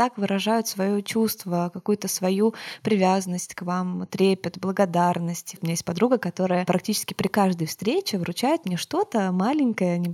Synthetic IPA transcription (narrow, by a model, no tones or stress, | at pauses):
t̪akvɨɾɐʐajʊt̪svɐjot͡ɕust̪vəkɐkujʊt̪əsvɐjupɾʲɪvʲazənːəsʲtʲkvamt̪ɾʲepʲɪt̪blˠəɡɐd̪arnəsʲtʲɪʊmʲɪnʲajesʲt̚ʲpɐd̪ɾuɡəkɐt̪o̞ɾəjəpɾʔɐktʲit͡ɕɪ̥skʲɪ̥pɾʲɪkaʐd̪əjfst̪ɾʲet͡ɕɪvɾʊt͡ɕajɪt̪mnʲeʂt̪o̞t̪əmalʲɪŋʲkəjənʲɪ